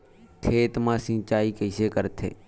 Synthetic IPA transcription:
t̪ʰeːt̪mãːsɪ̃ːt͡ʃaːiːkəɪseːkəɾt̪ʰḛː

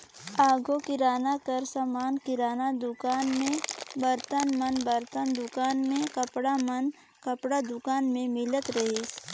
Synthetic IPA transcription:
aːɡõkɪɾaːnakəɾsəmaːnkɪɾaːnad̪ʊkaːnmẽbɐɾt̪ənmənbəɾt̪ənd̪ʊkaːnmẽkəpɽamən | kɐpɽad̪ʊkaːnmẽmɪlət̪ɾɐɦis

